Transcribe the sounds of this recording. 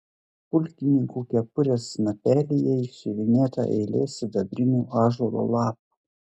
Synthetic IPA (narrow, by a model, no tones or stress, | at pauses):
pʊlʲkʲɪnʲɪŋkuːkʲɛpʊɾʲeːsnɐpʲæːlʲɪjɛɪʃʲɪʋʲɪnʲeːt̪ɑ̰ʔɛɪlʲeːsʲɪd̪ɐbʲɾʲɪnʲuːɑːʒɔlˠo̰ːlˠɑːp̚u̥